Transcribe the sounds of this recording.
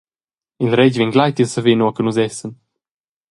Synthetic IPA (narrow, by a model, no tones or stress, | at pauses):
ilɾɛɟviŋɡlajt̪jəsəvenuɐkənuzɛsən